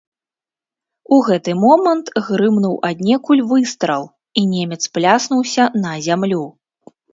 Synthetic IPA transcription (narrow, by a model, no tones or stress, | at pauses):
uɣɛt̪ɨmɔmɐnt̪ɣɾɨmnuwʔad̪ʲnʲɛkulʲvɨst̪ɾɐw | inʲemʲɛt̪splʲasnuwsʲɐnɐzʲamlʲu